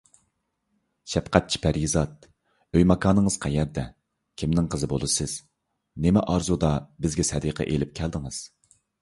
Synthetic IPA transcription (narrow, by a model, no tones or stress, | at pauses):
ʃɛpqʰæt̪̚t͡ʃʰi̥pʰæɾjizɑt̪̚ | øjmɑkʰɑːnəŋəzqʰæjɛɾd̪ɛ | kʲʰimnɪŋqʰəzɨbo̰lˠɨsɨz̥ | nemɛʔɑɾzud̪ɑbɪzɡʲɛsɛd̪iqʰɛ̰ʔelɪp̚kʲʰælˠd̪ɨŋɨz̥